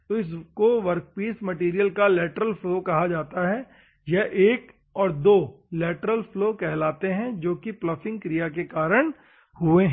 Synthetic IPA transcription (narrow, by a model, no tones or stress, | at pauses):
t̪oɪs̬koʋɐɾk̚piːsmɐʈiːɾijəlkalɛːʈəɾəlfloːkɐɦad͡ʒaːt̪aɦɛ | jɛɦʔeːk | ɔːɾd̪oː | lɛːʈɾəlfloːkɛɦlaːt̪eɦɛ̃d͡ʒoːkiplɐfɪ̃ŋɡkɾijak̬ekaːɾəɽ̃ | hʊeɦ